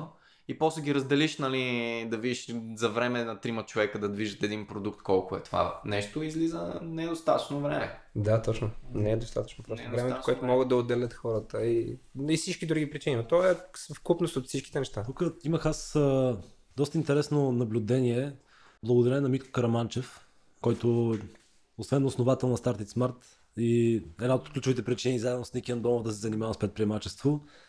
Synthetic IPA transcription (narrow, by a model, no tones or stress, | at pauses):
ipɔslɛɡʲiɾəzd̪ɛliʃnɐlid̪ɐvidiʃzɐvɾɛmɛnɐt̪ɾimət͡ʃovɛkəd̪ɐd̪viʒət̪ɛd̪inpɾod̪ukt̪kɔlˠkoɛ̰t̪ova̰nɛʃt̪oizlizənɛd̪ost̪at̪ət͡ʃnovɾɛmɛ | d̪at̪ɔt͡ʃnonɛd̪ost̪a̰t̪ə̥t͡ʃnopɾɔst̪vɾɛmɛt̪koɛt̪ʊmɔɡət̪̚d̪ɐod̪ɛlʲət̪xɔɾət̪əiifsit͡ʃkid̪ɾuɡʲipɾit͡ʃininot̪ɔɛsfkupnosot̪fsit͡ʃki̥t̪ɛnɛʃt̪at̪ukəiməxasə | d̪ɔst̪əint̪ɛɾɛsnonɐblʲʊd̪ɛniɛ | blˠəɡod̪ɐɾɛnnːɐmit̪ko̥kɐɾɐmant͡ʃɛf | kɔjt̪ʊ | osvɛnːosnovat̪ɛlˠnɐst̪aɾt̪it̪smaɾt̪ | iɛd̪naot̪klʲut͡ʃʊvit̪ɛpɾit͡ʃinizaɛd̪nosnikʲiənd̪ɔmovd̪ɐsɛzɐnimavɐspɾɛt̪pɾiɛmat͡ʃɛst̪vo